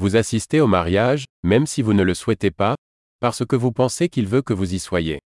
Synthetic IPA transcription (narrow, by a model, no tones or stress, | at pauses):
vuzasist̪eomaʁjaʒmɛmsivunələswɛt̪epa | paʁsəkəvupɑ̃sekilvøkəvuziswajḛ